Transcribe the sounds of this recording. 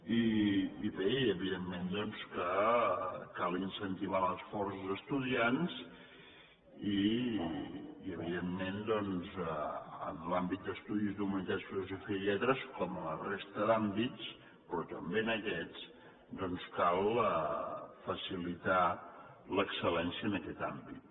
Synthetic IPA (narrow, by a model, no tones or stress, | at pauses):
iːβeiəβiðemːend̪ɔnskə | kalˠinsənt̪iβ̞aləsfɔrszəst̪uðians | i | əβ̞iðemːend̪ɔnz | ə̰nlambit̪̚d̪əst̪uðizðumənit̪asfiluzufiʎɛt̪ɾəskɔmələrest̪əðambitt͡s | pɾɔt̪əmbenəkɛt͡s | d̪ɔnskalˠəfəsilit̪a | ləksəlɛnsiənəkɛt̪ambḭt̪̚